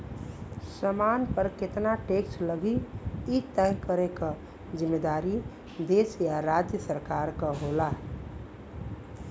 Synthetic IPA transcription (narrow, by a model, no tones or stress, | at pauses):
səmanpəɾket̪naʈeksʈləɡiit̪ɛkəɾekə | d͡ʒimːed̪aɾi | d̪esjaɾad͡ʒjəsəɾkaɾkəɦola